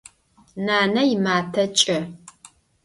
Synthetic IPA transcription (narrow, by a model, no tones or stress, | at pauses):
naːnɐjɪmaːtʰɐt͡ʃʼɐ